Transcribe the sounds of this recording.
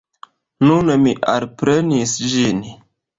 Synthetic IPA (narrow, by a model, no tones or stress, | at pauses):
nunmiʔalpɾenisd͡ʒin